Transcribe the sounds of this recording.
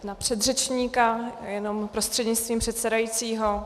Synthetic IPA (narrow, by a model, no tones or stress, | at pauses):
napr̝̥ɛd̪rɛt͡ʃɲiːkajɛno̞mpɾost̪r̥ɛdɲɪt͡st̪viːmpr̥ɛt̪sɛdajiːt͡siːɦo̞